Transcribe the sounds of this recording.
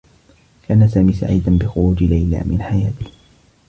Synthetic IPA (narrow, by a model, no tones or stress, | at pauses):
lɪʔanːasaːmiːsa̰ʕḭːd̪anbɪxʊɾuːd͡ʒlajla̰ːmɪ̰nħajaːt̪ɪh